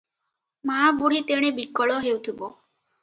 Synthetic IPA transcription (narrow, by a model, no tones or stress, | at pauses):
mabuɽ̤it̪eɽ̃ebikːɔɭɔɦewt̪ʰibo